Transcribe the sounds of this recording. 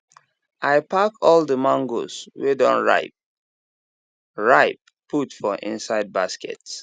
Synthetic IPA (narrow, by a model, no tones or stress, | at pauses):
ʔaɪpʰakɔldəmãŋɡo̰swedɔ̰̃nɹa̰ɪp̚ | ɹaɪp̚ | pːutfɔʔḭ̃nsaɪd̚baskɛ̰ts